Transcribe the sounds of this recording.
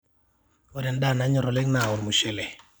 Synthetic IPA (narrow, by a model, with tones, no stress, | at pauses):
ɔdɛ˨nda˦˨na˨˦ɲɔ˨ɾɔ˨lɪ˦ŋna˨ʊ˨ɾmu˨ʃe˨lɛ˨